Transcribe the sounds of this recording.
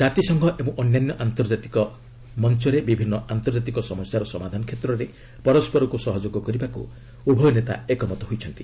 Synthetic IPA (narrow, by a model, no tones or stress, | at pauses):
d͡ʒat̪isɔŋɡʱɔʔeũʔɔnjanjɔʔant̪ɔɾd͡ʒat̪i̥kɔ | mɔnt͡ʃɔɾebibʱinːɔʔant̪ɔɾd͡ʒat̪̬ikɔsɔmɔst͡ʃaɾɔsɔmad̪ʱanɔkʰet̪ɾɔɾe | pɔɾɔspɔɾɔkusɔɦɔd͡ʒoɡɔkɔɾibakṵ | ubʱɔjɔnet̪a̰ekɔmɔt̪ɔɦojt͡ʃʰɔnt̪i